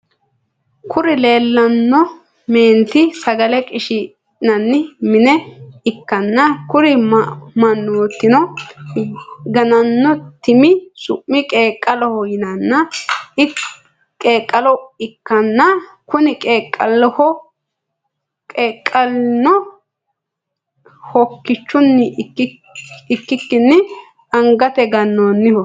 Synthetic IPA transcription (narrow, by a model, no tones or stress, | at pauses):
kʰʊɾɪle̞ːlːɐnːɔ | me̞ːnt̪ɪsɐɡɐlɛkʼɪʃɪ | nɐnːɪmɪnɛɪkːɐnːɐkʊɾɪmɐnːuɔt̪ːɪnɔ | ɡɐnɐnːɔt̪ɪmɪsʊ̰ʔːɪkʼeːkʼːɐlɔhɔjɪnɐnːɐɪ | kʼeːkʼːɐlɔɪkːɐnːɐkʊnɪkʼeːkʼːɐlːɔhɔ | kʼeːkʼːɐlnɔ | hɔkːɪt͡ʃːʊnːɪ | kːɪkːɪnːɪ | ɐŋɡɐt̪ɛɡɐnːoːnːɪhɔ